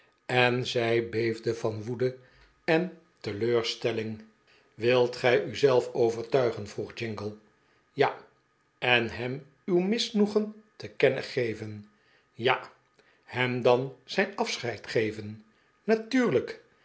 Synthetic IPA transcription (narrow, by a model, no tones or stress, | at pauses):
ɛnzɛjbejvdəvɑnʋudə | ɛn | təløːɹstɛlɪŋ | ʋɪlˠtχɛjʔyzɛlˠfowvəɹtœɥχənvruχd͡ʒɪŋɡəlˠ | ja | ɛnɦɛm | ywmɪsnuχəntəkɛnə̰χejvən | ja | hɛmdɑnz̥ɛjnɑfsχɛjtχejvən | natyːɹlək